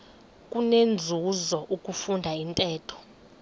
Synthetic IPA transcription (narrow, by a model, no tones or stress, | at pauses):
kʼunend͡zʱuzɔʔukʼufundʱaintʼɛːtʰɔ̥